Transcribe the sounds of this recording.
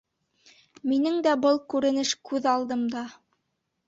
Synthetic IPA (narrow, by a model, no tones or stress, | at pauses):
minɘŋd̪æbɤlˠkʉɾɘ̆nɘʃkʉðɑlˠd̪ɤmd̪ɑ